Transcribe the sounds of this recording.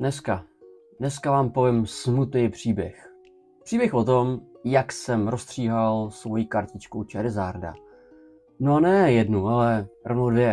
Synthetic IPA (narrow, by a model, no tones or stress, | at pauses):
nɛska | dnɛskavaːmpo̞vɪmsmut̪nejpr̝̥iːbjɛx | pr̥iːbjɛxvo̞t̪omjaksɛmɾost̪r̥iːɦalsvo̞jiːkaɾcɪt͡ʃkowt͡ʃɛɾɪzaːɾda̰ | noanɛjɛdnualɛɾʔovnowdvjɛ